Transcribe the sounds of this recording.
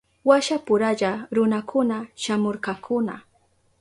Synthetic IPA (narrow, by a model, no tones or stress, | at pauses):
waʃapʊɾaʎaɾʊnakʰʊnaʃamoɾkɑkʰʊna̰